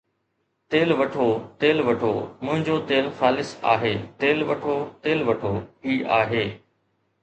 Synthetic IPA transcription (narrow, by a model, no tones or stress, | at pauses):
t̪eːlʋɐʈʰot̪eːlʋɐʈʰomʊ̃ɦɪ̃ɲd͡ʑot̪eːlxaːlɪsa̰ːɦeːt̪eːlʋɐʈʰot̪eːlʋɐʈʰoɦiːa̰ːɦeː